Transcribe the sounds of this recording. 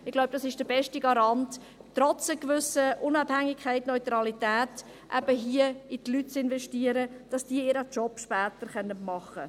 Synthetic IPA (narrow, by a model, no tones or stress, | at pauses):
ɪɡlaʊwb̥̚d̥ɑsɪʃd̥əbɛʃtiɡɑɾɑntː | ɾɔt͡səkʋʏsəʔʊnɑbhæŋːɪkʰɛɪtnɔʏt̪ɾɑlitæːt | ʔæ̰b̥əɦiəitlyt̚t͡sɪnvɛʃtiːəɾəd̥ɑsd̥iəiːɾət͡ʃɔpʃpæːtəɾχœnːətmɑχːə